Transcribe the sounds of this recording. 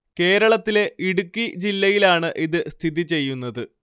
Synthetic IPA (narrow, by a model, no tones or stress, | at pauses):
ke̞ːɾɐɭɐt̪ːile̞ʔiɽukːid͡ʑilːɐjilaːɳɨʔiðɨst̪ʰiðit͡ɕe̞jːunːɐðɨ